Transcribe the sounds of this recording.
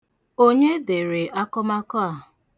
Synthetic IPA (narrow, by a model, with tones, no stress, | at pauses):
o˦ɲe˦de˨ɾe˨ʔa˦kɔ˦ma˦kɔ˦a˨